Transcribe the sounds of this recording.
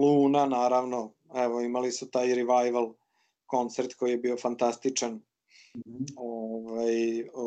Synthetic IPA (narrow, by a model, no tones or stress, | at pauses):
luːnanaːɾaʋno | ɛʋoimalisut̪aːjɾiʋajʋalˠ | ko̞nt̪seɾt̪ko̞jijebio̞fant̪ast̪it͡ʂan | oʋaj